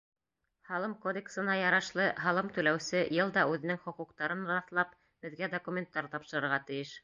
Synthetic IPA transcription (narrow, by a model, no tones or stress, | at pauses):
hɑlˠɤmkod̪ʲeksɤ̆nɑjɑɾɑʃlˠɤɦɑlˠɤmt̪ʉlæwsɘjɤlˠd̪ɑʉðɘ̆nɘŋχŏquqt̪ɑɾɤnɾɑθlˠɑp̚ | b̥ɘ̆ðɡæd̪okumʲent̪ːɑɾt̪ɑpʃɤ̆ɾɤ̆ɾʁɑt̪ɘ̆jɘʃ